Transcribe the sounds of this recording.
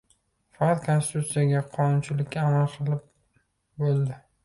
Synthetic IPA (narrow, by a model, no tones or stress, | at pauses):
fɑɑt̪kʰonsɪt̪ʰut̪sɨjaɡʲaqʰɒnʊnt͡ʃʰɪlɪkʲkʲːaːmalˠqʰɨlˠɪp̚ | bolˠd̪ɪ